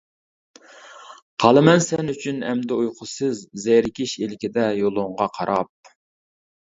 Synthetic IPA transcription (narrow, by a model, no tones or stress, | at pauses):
qʰɑlˠɨmɛnsɛnyt͡ʃʰynɛmd̪ɛujqʰʊsɨzːeɾɪkʲiʃelɪkʲid̪ɛjolˠʊɴʁɑqʰɑɾʔɑp̚